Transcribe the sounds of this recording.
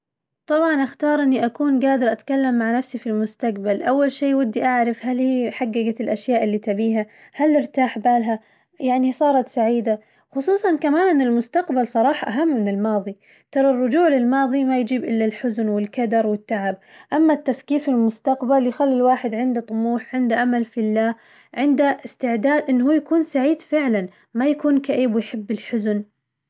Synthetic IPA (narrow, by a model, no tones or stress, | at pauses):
t̪ˤɑbʕɑnʔaxt̪ɑːɾˤʔɪnːiʔakuːnɡaːd̪ɪɾʔat̪kalːamːaʕnafsifilmʊst̪aqbalʔawːalʃiːwad̪ːiʔaʕɾɪfhalhiːħaɡːaɡat̪ɪlʔaʃjaːʔɪlːiːt̪abiːɦa | halːɪɾt̪aːħbaːlɦa | jaʕnisˤɑːɾˤɑt̪saʕiːd̪a | xʊsˤuːsˤɑnkamaːnʔɪnːɪlmʊst̪aqbalsˤɑɾˤɑːħɑʔaɦamːɪnɪlmɑːðˤi | t̪ɑɾˤɑrˤːʊd͡ʒuːʕlɪlmɑːðˤimajd͡ʒiːbʔɪlːalħʊznwɪlkad̪ɑɾˤwɪt̪ːaʕab̚ʔamːat̪ːafkiːffɪlmʊst̪aqbaljxalːilwaːħɪd̪ʕɪnd̪at̪ˤːʊmuːħʕɪnd̪aʔamalfilːaː | ʕɪnd̪aʔɪst̪ɪʕd̪aːd̪ʔɪnːɦuːjakuːnsaʕiːd̪fɪʕlan | majakuːnkaʔeːbwʊjħɪbːɪlħʊzn